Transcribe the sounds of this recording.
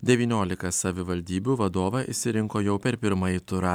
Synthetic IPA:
d̪ʲɛʋʲiːnʲoːlʲɪkɐsɐʋʲɪʋɐlʲd̪ʲiːbʲuːʋɐd̪oːʋɐʔɪ̰ʃʲsʲɪɾʲɪŋkoːjɛʊpʲɛɾpʲɪɾmɐjɪt̪ʊɾɐ

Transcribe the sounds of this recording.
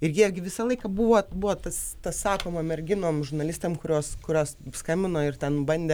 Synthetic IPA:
ɪrʲɡʲiɛɡʲɪʋʲɪsɐlˠɐɪkɐbʊʋoːbuʋoːt̪ɐst̪ɐssɑːkoːmɐmʲɛrʲɡʲɪnoːmʒʊrnɐlʲɪsʲt̪ʲeːmkʊɾʲoːskʊɾʲoːsskɐmʲbʲɪnoːɪrt̪ʲɛnbɐnʲd̪ʲeː

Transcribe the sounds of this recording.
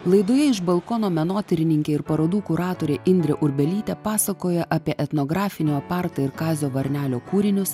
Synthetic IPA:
lˠɐɪd̪oːjɛɪʃbɐlˠkɔnoːmʲɛnoːt̪ʲɪɾʲɪnʲɪŋʲkʲeːɪɾpɐɾoːd̪uːkʊɾɑːt̪oːɾʲeːʔɪnʲd̪ʲɾʲɛʔʊɾʲbʲɛlʲiːt̪ʲɛpɑːsɐkoːjɛʔɐpʲiɛʔɛt̪nɔɡɾɑːfʲɪnʲoːɐpɑɾt̪oɪɾkɑːzʲoːʋɐɾʲnʲæːlʲoːkuːɾʲɪnʲʊs

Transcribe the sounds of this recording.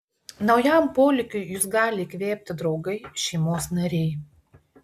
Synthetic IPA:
nɒʊjɛmpoːlʲɪkʲʊɪjʊsɡɑːlʲɪkʲʋʲeːpʲt̪ʲɪd̪ɾɒʊɡɐɪʃʲɛɪmoːsnɐɾʲɛɪ

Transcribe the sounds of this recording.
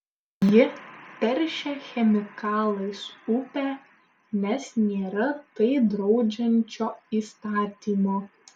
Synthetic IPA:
jɪp̪ʲɛɾʲʃʲɛxʲɛmʲɪkɑːlˠɐɪsʊpʲæ | nʲɛsnʲeːɾɐt̪ɐɪd̪ɾɒʊd͡ʒʲɛnʲt͡ʃʲoːiːst̪ɑːt̪ʲiːmoː

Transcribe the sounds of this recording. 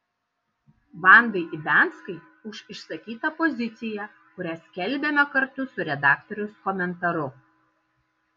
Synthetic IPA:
ʋɑˑnd̪ɐɪʔɪbʲæˑnt̪skɐɪ | ʊʃɪʃsɐkʲiːt̪ɐpɔzʲɪt̪sʲɪjɛ | kʊɾʲæːsʲkʲɛlʲbʲemʲɛkɐɾt̪ʊsʊɾʲɛd̪ɑːkt̪ɔɾʲʊskɔmʲɛnt̪ɐɾʊ

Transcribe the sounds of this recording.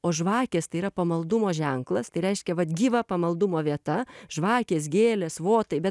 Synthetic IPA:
oːʒʋɑːkʲeːst̪ɐɪiːɾɐpɐmɐlˠd̪ʊmoːʒʲɛŋklˠɐst̪ɐɪɾʲɛɪʃʲkʲɛʋɐt̪ɡʲiːʋɐpɐmɐlˠd̪ʊmoːʋʲiɛt̪ɐʒʋɑːkʲeːs̬ɡʲeːlʲɛsʋoːt̪ɐɪbʲɛt̪

